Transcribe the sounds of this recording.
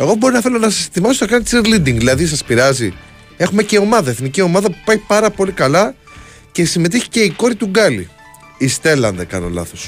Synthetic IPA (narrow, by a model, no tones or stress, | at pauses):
e̞ɣo̞bo̞ɾinɐθe̞lo̞nɐsɐset̪imɐsot̪ɐkɐnt̪siɾlid̪iŋɡðilɐðis̬ɐspiɾɐzi | e̞xume̞ceo̞mɐðɐeθnicio̞mɐðɐpu̥pɐjpɐɾɐpo̞likɐlɐ | ce̞sime̞t̪içi̥ce̞iko̞ɾit̪uɡɐlḭ | ist̪e̞lɐnd̪ɐkɐ̰no̞̰lɐ̰θos